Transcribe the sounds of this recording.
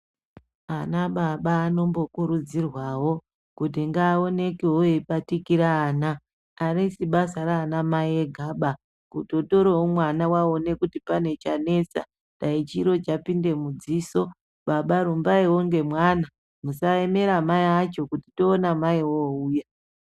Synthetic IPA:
anaɓaɓaːno̞mbo̞kuɾud͡zirwawo̞ | kut̬iŋɡaːo̞ne̞kewoepatikiɾaːnaː | ɾisiɓasaɾaːnamaieɡʱaːɓa | kuto̞to̞ɾoomwanawao̞ne̞kutipane̞t͡ʃane̞sa̰ | ndait͡ʃiɾo̞t͡ʃapinde̞mud͡ziːso̞ | ɓaɓaɾumbaiwo̞ŋɡe̞mwana | musae̞me̞ɾamaiat͡ʃo̞kutito̞ːnamaiwouːja

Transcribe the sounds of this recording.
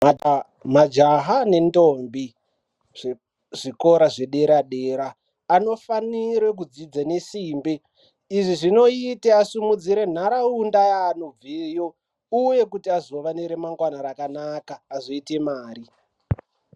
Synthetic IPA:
mad͡ʒaɦane̞ndombi | ʐiko̞ɾaʐe̞ɗe̞ɾaɗeɾaː | no̞fanirwek̬ud͡zid͡zanesiːmbeː | ʐiʐino̞iteasumud͡ziɾe̞n̤aɾaundajaːnob͡vijo̞ | uje̞kutiazo̞ʋaniɾe̞maŋɡwanaɾakanakaːzo̞ite̞maːɾi

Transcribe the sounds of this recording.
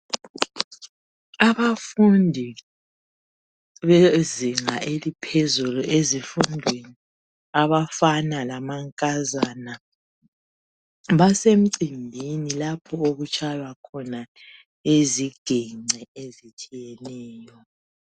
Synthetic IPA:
aβafundʱi | βeziŋaʔelipʰezuluʔezifundʱweni | aβafanalamaŋkʼazaːna | βasem̩ǀindʱinilapʰɔoɣut͡ʃʼʰajwakʰɔna | eziɡ̥ʱɛŋ͡ǀʱɛezit͡ʃʼijɛnɛːjɔ

